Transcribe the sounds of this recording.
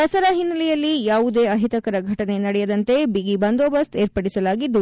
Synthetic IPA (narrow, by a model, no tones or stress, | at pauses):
ɐsɐɾɐɦinːɐlɛjɐlːijaːʋud̪e̞ːɐɦit̪ɐkɐɾɐɡʱɐʈɐne̞nɐɽɛjɐd̪ɐnt̪e̞biɡibɐnd̪oːbɐst̪eːɾpɐɽisɐlaːɡid̪ːu